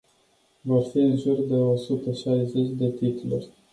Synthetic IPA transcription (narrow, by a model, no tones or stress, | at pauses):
vorfiɨnʒurd̪eosut̪əʃajze̞t͡ʃʲd̪e̞t̪it̪ulurʲ